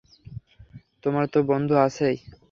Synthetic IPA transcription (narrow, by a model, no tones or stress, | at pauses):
t̪omaɾt̪obɔnd̪ʱoat͡ɕʰej